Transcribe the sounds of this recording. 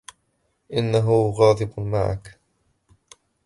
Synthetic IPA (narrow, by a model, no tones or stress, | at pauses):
ʔɪnːaɦʊɣɑːd̪ˤɪbma̰ʕa̰k